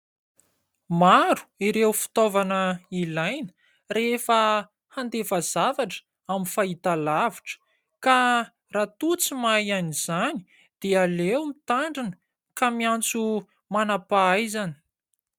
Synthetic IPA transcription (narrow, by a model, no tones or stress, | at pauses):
maɾu̥iɾewfi̥t̪ovanəilajnə | refə | hand̪efazavaʈ͡ʂə̥ | aminfait̪alaviʈ͡ʂə̥ | ka | rat̪ut͡simajaniz̥ani̥ | d̪̥ealewmit̪aɳɖ͡ʐinə̥ | kamiant͡su | manapaajzani̥